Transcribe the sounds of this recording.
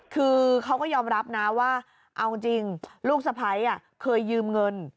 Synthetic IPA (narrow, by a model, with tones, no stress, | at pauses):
kʰɯː˧kʰa˦˥wkɔː˥˩jɔː˧mɾa˦˥p̚na˦˥waː˥˩ | ʔa˧wt͡ɕi˧ŋluː˥˩k̚sa˧pʰa˧˩jʔa˧˩kʰɤː˧jːɯː˧mŋɤ˧n